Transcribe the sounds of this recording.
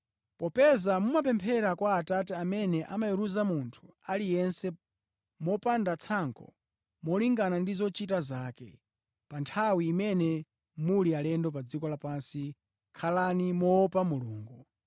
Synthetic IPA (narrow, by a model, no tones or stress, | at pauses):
pɔpɛzamumap̬ɛmpʰɛɾakwaːtatɛamɛnɛʔamajiɾuzamuntʰu̥alijɛnsɛ | mɔpandat͡sʰaŋkʰɔ̰ | mɔliŋɡanandizɔt͡ʃitazaːkɛ̰ | pantʰawiːmɛnɛ | mulialɛndɔp̬ad͡zikɔlapansi | kʰalanimɔpamuluːŋɡu